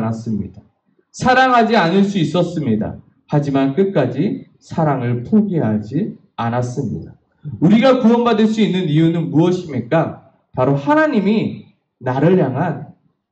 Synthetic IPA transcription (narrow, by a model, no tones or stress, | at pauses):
nas͈ɯmɲid̥a | sʰaɾaŋɦad͡ʑianɯɭs͈uis͈ʌs͈ɯmɲida̰ | had͡ʑimank͈ɯt̚k͈ad͡ʑi | sʰaɾaŋɯɭpʰoɡeɦad͡ʑi | anas͈ɯmɲḭda | uɾiɡakuʌŋbadɯɭs̬͈uinːɯnijunɯnmuʌɕʰimik͈a | paɾohanaɲimi | naɾɯɭjaŋɦan